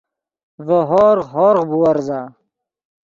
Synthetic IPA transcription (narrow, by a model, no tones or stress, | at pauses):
vəɦoːɾɦoːɾʁbuɐɾzaː